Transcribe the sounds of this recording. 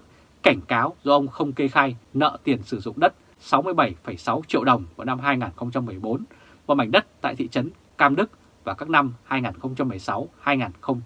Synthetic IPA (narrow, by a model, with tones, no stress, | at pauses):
ka˧˩jŋ̟kaː˨˦wzɔ˧ʔə˧wŋ͡mxə˧wŋ͡mke˧xaː˧jnə̰ː˧˨t̪i˨˩ənsɨ˧˩zʊ̰˧˨ŋ͡mɗə˦˥t̚ | sa˨˦wmɨ˧əjɓə˧˩jfə˧˩jsa˨˦wt͡ɕḭ˧˨əwɗə˨˩wŋ͡mku˧˩na˧mɦaː˧jŋaː˨˩nxə˧wŋ͡mt͡ɕa˧mːɨ˨˩əjɓo˨˦n | mɔ˨˧˩ma˧˩ŋ̟ɗə˦˥t̚t̪a̰ː˧˨jt̪ʰḭ˧˨t͡ɕə˨˦n | kaː˧mɗɨ˦˥k̚ | vaː˨˩kaː˦˥k̚na˧mhaː˧jŋaː˨˩nxə˧wŋ͡mt͡ɕa˧mːɨ˨˩əjsa˨˦whaː˧jŋaː˨˩nxə˧wŋ͡m